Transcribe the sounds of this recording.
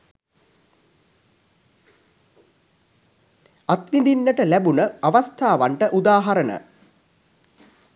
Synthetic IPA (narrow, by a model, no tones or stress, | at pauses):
at̪ʋind̪inːəʈəlæbunəaʋast̪ʰaːʋaɳʈəʔud̪aːɦaɾənə̰